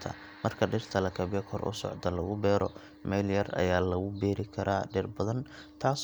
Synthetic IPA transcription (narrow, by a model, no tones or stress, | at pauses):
t̪ʰɐ̰ | mɐrkʰɐɖɪrt̪ʰɐlɐkʰɐβɪjɛkʰɔrʔʊ̰sɔ̰ʕd̪ɐlɐɣʊbɛːɾʔɔ̰ | mɛljɐrɐ̰jaːlɐɣʊbɛːɾɪkʰɐɾaːɖɪrbɐðɐn | t̪ʰaːs